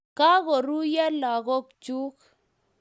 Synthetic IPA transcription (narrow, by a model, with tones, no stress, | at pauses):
ka˦ɣo˨ɾu˦jɛ˦la˨ɣɔ˦k̚t͡ʃu˦k